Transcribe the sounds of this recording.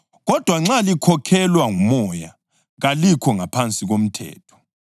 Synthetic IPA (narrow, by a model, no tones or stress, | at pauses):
ɣɔd̥ʱwaŋ͡ǁalikʰɔkʰɛlwaŋumɔja̰ | ɣalikʰɔŋapʰant͡sʼiɣom̩tʰɛ̰ːtʰɔ̥